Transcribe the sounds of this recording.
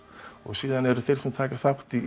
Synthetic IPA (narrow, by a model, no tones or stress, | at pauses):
ɔɣsiːðanɛɾʏθʰɪlsɛmt̪ʰaːkaθaht̪i